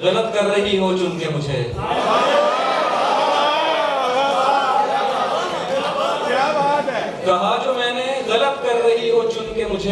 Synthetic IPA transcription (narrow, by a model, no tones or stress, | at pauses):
ɣɐlət̪kɐɾːɐɦiɦot͡ʃʊnkemʊd͡ʒʱḛ | jaːbaːt̪ɦɛː | kɐɦad͡ʒoːmɛ̃ːneɣɐlət̪kɐɾːɐɦiɦot͡ʃʊnkemʊd͡ʒʱe